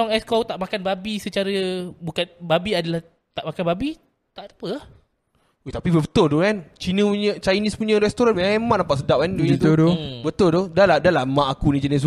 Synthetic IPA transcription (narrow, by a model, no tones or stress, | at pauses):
ɔŋɛskot̪aʔmakanbabisət͡ʃaɾəbukanbabiadalah | t̪aʔmakanbabi | t̪aʔt̪ḁpəa | et̪apibəbət̪ʊldokant͡ʃinə̃puɲə̃t͡ʃajnispuɲə̃ɾɛst̪oɾanmaemaʔnampaʔsədap̚kandt̪odobət̪ʊldodalahdalahmãʔakunĩt͡ʃanə̃s̬